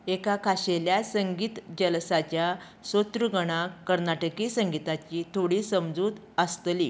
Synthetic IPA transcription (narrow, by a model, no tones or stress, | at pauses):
ekakʰaɕeljasəŋɡiːt̪d͡ʑəlsat͡ɕja | sot̪ɾuɡəɽ̃aəɾnaʈəkisəŋɡit̪at͡ɕiːt̪ʰoɽiːsəmd͡zuːd̪ | əst̪liː